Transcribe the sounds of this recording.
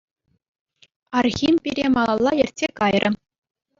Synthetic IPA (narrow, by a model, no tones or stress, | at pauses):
ɑrxʲimpʲiɾʲemɑlˠɑlˠːɑjɘ̆rʲtʲsʲekɑjrʲʔɘ̆